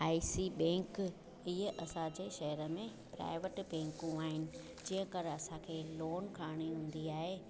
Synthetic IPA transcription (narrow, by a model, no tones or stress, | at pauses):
aːisibɛ̃ːŋk | ɪɦəʔɐsãd͡ʑeːʃɐɦəɾəmẽpɾa̰ːɪʋəʈbɛ̃ːŋkũaːɦɪnɪ̆ | d͡ʑĩːɦə̃kəɾɐsãkʰeːloːnkʰaːɽ̃iɦũːn̆d̪iaːɦeː